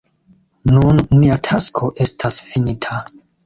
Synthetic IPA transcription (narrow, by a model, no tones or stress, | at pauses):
nunːiatʰaskʰo̞ʔe̞stʰasfinitʰa